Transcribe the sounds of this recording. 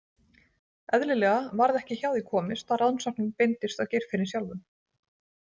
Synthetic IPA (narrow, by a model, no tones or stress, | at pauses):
ɛðlɪlɛːɣavaɾðɛhcɪçawðikʰɔːmɪst̪arawnsahknɪnpejnt̪ɪst̪awcɛjɾ̥fɪɾɪsjawlvʏm